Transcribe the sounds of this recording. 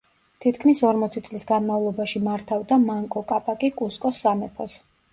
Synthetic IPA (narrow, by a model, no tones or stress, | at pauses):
t̪ʰit̪kʰmisɔɾmɔt̪sʰit̪sʼlisɡanmavlˠɔbaʃimaɾt̪ʰavd̪amaŋkʼɔkʼapʼakʼikʼuskʼɔsːamɛpʰɔs